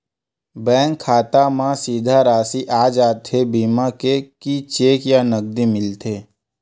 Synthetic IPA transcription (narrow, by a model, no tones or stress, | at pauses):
bɛ̃ːŋkʰːaːt̪amãsiːd̪ʱaɾaːsiʔaːd͡ʒaːt̪ʰebiːmakekit͡ʃeːkjanəɡ̚d̪imɪlt̪ʰeː